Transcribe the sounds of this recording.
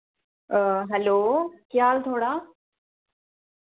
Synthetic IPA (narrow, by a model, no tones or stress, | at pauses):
ɦɛloːkjaːlt̪ʰoːɽa